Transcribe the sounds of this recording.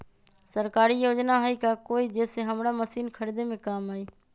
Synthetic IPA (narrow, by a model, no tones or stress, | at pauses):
səɾkaːɾijoːd͡ʒnaɦəikaːkoːiːd͡ʒeːseɦəmɾaməsiːnkʰəɾid̪emẽkaːmaːiː